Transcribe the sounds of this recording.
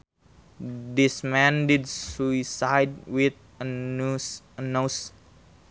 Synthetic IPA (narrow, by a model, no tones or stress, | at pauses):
dismɛ̃ndidsuisajd̚wit̪̚ | əs | ənos